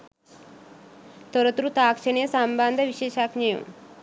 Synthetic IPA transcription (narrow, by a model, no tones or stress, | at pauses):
t̪oɾɐt̪ɾut̪aːkʃɐɳejsambaːnd̪ʱɐʋiʃeːʃaːkɲɐjõ̰